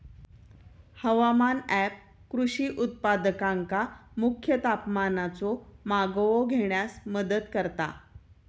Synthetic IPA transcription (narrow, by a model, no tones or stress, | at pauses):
həʋamanæp̚ | kɾuɕiːʔut̪̚pad̪əkaŋkamukʰːjət̪apmanat͡sɔmaɡʋoɡʱeɳjasməd̪ət̪kəɾt̪a̰